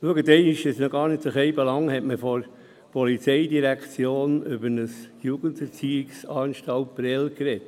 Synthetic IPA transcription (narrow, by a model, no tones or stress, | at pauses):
luəɡətɛɪniʃɪsnɔɡɑːɾnɪtsəχɛɪbɛlɑŋhɛtməfɔɾ | pʰɔlit͡sɛɪdiɾækt͡sjoːnʏbənəsjuɡəntɛɾt͡siɪksɑːnʃtɑlt̚b̥ɾɛlkɾɛt